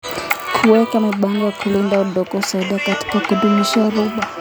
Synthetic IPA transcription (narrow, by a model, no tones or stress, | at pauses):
kʰuwɛkamiɓaŋɡɔjakʰulindauɗɔkɔsaiɗakati̥kakuɗumiʃaɾuɓa